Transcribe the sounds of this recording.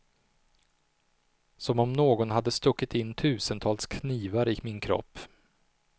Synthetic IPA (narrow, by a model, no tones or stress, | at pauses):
sɔmɔmnoːɡɔnɦad̪ːəst̪ɵkːɪt̪ɪnːt̪ʰʉ̟ːsənt̪ʰɑːlskʰniːvaɾɪmɪnkʰɾɔ̰pː